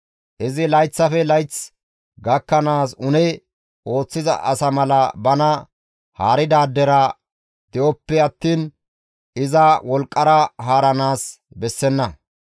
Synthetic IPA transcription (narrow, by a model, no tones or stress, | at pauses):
ʔɪzɪlɐjt͡sːɐfɛlɐjt͡s | ɡɐkːɐnaːsʊnɛ | ʔo̞ːt͡sːɪzɐ̰ʔɐ̰sɐmɐlɐbɐnɐ | haːɾɪd̪aːd̪ːɛɾɐ | d̪̥ɛʔɔpːɛɐt̪ːiːn | ɪzɐwɔlkʼːɐɾɐɦaːɾɐnaːs | bɛsːɛnːɐ